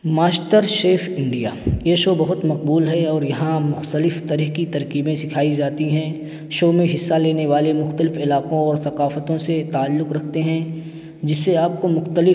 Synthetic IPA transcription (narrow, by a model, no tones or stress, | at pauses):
maːsʈəɾʃeːfɪ̃ɳɖija̰ːjeʃoːbɐɦʊt̪mɐq̚buːlɦɛɔːɾjɐɦãmʊxt̪əlɪft̪ɐɾiɦkit̪ɐɾkiːbẽsɪkʰaːid͡ʒaːt̪iɦɛ̃ | ʃoːmẽɦɪsːaleːneʋaːlemʊxt̪əlɪfɪlaːqõɔːɾsɐqaːfət̪õset̪aːlːʊqɾɐkʰt̪eɦɛ̃ | d͡ʒɪsːeaːp̚komʊxt̪əlɪ